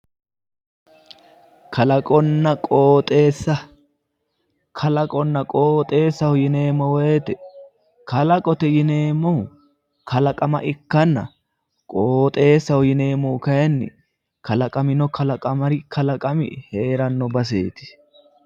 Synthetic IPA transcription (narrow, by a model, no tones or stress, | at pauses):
kʰɐlɐkʼɔnːɐkʼoːt̪ʼeːsːɐ | kʰɐlɐkʼɔnːɐkʼoːt̪ʼe̞ːsːɐwʊjɪne̞ːmɔwɛjt̪ɛ | kɐlɐkʼɔt̪ɛjɪne̞ːmːɔwʊ | kʰɐlɐkʼɐmɐʔɪkːɐnːɐ̰ | kʼoːt̪ʼe̞ːsːɐwʊjɪne̞ːmːɔwʊkɐjɐnːɪ̰ | kɐlɐkʼɐmɪnɔkʰɐlɐkʼɐmɐɾɪkʰɐlɐkʼɐmɪ̰he̞ːɾɐnːɔbɐs̬ḛːt̪ɪ̥